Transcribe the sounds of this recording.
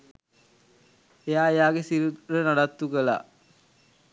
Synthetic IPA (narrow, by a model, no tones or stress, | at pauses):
ejaːejaːɡesiɾuɾənaɖat̪ːukəla̰